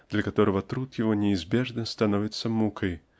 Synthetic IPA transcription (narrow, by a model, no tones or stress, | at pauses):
d̪̥lʲɐkat̪ɔɾɐvɐt̪ɾut̪javɔnʲɛːzʲbʲɛʐnɐst̪anɔvʲit̪sːɐmukɐj